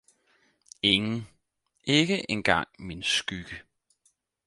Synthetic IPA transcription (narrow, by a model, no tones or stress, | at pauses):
e̝ŋn̩ | e̝ɡ̥əʔenɡ̥ɑ̈ŋ̰minsɡ̥yɡ̥ə